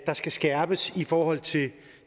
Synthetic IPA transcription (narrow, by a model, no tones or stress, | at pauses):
d̥ɑ̈sɡ̥æsɡ̥æɐb̥əsifɒːhɒ̽l̰t͡sʰe̝l